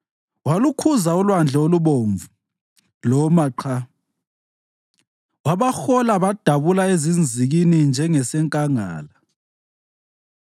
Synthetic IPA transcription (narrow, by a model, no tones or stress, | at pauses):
walukʰuzaulwand͡ɮʱɛoluβoːɱvu | lɔmaǃʰa | waβaxɔlaβad̥ʱaβulaezind͡zʱiɣinind͡ʒʱɛŋɛsɛŋkʼaŋa̰ːla